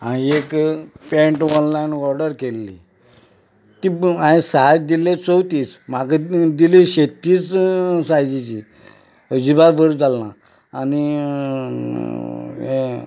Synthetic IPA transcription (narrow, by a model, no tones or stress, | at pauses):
añiekpẽɳʈɔnlajnʋɔɾɖəɾkelːḭ | t̪iãĩsad̪ilet͡sowt̪iːt͡smakəd̪iliɕet̪ːiːt͡ssajd͡ʑit͡ɕi | əd͡ʑibaɾbʱəɾd͡zalna | añi | e